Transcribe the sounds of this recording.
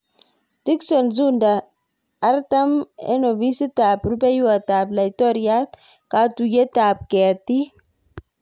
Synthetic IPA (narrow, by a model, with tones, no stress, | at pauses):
t̪i˦ksɔ˨nzu˦ndaː˨˦ | ɾt̪a˦mḛ˦no˨vi˦si˦t̪aː˨pɾube˦ju˦a˨t̪aː˨bla˨jt̪o˦ɾja˦t̪ | ka˦t̪u˨je˦t̪aː˨p̚ke˨a˨t̪i˦